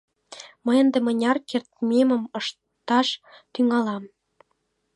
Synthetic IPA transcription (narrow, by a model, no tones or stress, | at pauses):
mə̆jə̆nd̪ĕmə̆nʲɑrkert̪̚mʲemə̆mɤ̆ʃ | t̪ɑʃt̪yŋɑlɑm